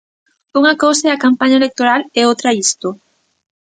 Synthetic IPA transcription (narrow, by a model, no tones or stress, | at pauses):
uŋɐkowsaɛɐkampaɲɐelek̚t̪oɾalɛowt̪ɾɐist̪o